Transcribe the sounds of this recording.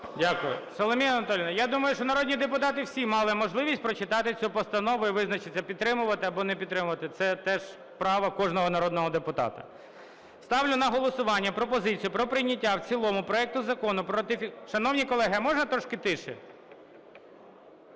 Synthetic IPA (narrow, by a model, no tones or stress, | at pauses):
dʲakʊjʊ̰sɔlˠɔmʲijɐnɐt̪ɔlʲinɐjad̪umɐjʊʃt͡ʃɔnɐɾɔdʲnʲid̪epʊt̪ɑt̪ɪwsʲimɑlˠɪmɔʒlˠɪʋʲisʲt̚ʲpɾɔt͡ʃɪt̪ɑt̪ɪt͡sʲupɔst̪ɐnɔʋʊiʋɪznɐt͡ʃɪt͡sʲːɐpʲid̪̚t̪ːɾɪmʊʋɐt̪ɪɐbɔnɛpʲd̪t̪ːɾɪmʊʋɐt̪ɪt̪sɛt̪ɛʒ | pɾɑʋɐkɔʒnɔɦɔnɐɾɔd̪nɔɦɔd̪epʊt̪ɑ̰t̪ɐ̰ | st̪ɑwlʲʊnɐɦɔlˠɔsʊʋɑnʲːɐpɾɔpɔzɪt͡sʲijʊpɾɔpɾɪjnʲɐtʲːawt͡sʲilˠɔmʊpɾɔɛk̚t̪ʊzɐkɔnʊpɾɔt̪ɪfʲʃɐnɔwnʲikɔlˠɛɦɐjɐmɔʒnɐt̪ɾɔʃkɪt̪ɪʃɪ̰